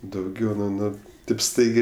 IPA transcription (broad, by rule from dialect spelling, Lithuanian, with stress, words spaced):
dɐʊˈɡʲɛʊ nʊ ˈnʊ tɐɪp ˈstɐɪɡʲeː